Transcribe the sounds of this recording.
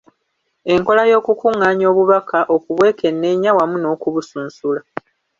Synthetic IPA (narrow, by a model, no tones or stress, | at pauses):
e̞ŋko̞lajo̞ːkukuŋːaːɲo̞ːβuβakaʔo̞kuβwe̞ːke̞nːe̞ɲawamuno̞ːkuβusuːnsula